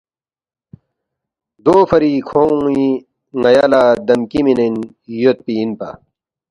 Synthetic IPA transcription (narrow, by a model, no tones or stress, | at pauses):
d̪oːfɐɾikʰoːũi | ŋɐjaːlaːd̪ɐmkiminen | jot̪̚piːnpa̰